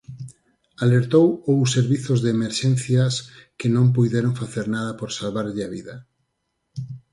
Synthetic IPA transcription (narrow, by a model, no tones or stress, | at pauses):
aleɾt̪owowseɾβiθʊzðeːmeɾʃɛn̟θjaskɪnõmp̬ujðeɾoŋfaθeɾnaðɐpoɾsalβaɾʎɪaβiðɐ